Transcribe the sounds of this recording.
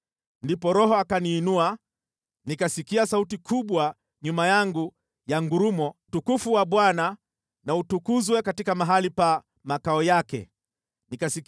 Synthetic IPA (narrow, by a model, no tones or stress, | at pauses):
ndipɔɾɔɦɔakaniːnua | nikasikiasautikʰuɓwa | ɲumajaŋɡu | jaŋɡuɾumɔtukufuwaɓwana | nautukuzwɛkatikamaɦalipa | makaɔjakɛ̰ | nikasik